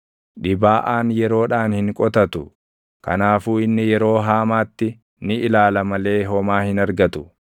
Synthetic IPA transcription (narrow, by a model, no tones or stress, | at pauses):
ᶑɪbaːʔaːnjɛɾo̞ːᶑaːnhɪŋkʼɔt̪ɐt̪ʊ | kɐ̰naːfuːɪnːɪjɛɾo̞ːɦaːmaːt̪ːɪ | nɪʔɪlaːlɐmɐle̞ːɦɔmaːhɪnɐɾɡɐt̪ʊ̥